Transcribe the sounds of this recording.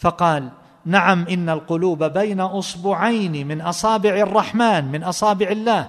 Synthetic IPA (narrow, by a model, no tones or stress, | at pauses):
fɑqɑːl | naʕamʔɪnːalqʊluːbabajnaʔʊsˤbʊːʕajnimɪnʔɑsˤɑːbɪʕɑrˤːɑħmaːnmɪnʔɑsˤɑːbɪʕɪlːaːh